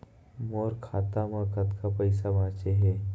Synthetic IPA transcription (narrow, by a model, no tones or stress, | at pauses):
moːɾkʰaːt̪amə̃kət̪kapəjsabãːt͡ʃeɦɛː